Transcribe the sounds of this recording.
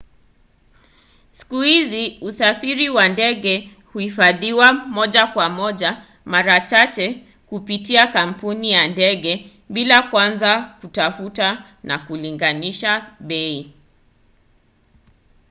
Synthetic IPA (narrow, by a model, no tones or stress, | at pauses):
si̥kuhiziusafiɾiwandɛɠɛ | huhifaðiwamɔʄakwamɔʄa | maɾat͡ʃat͡ʃɛ | kupitiakam̩punijandɛɠɛ | ɓilakwanzakutafuta | na̰kuliŋɡaniʃaɓɛi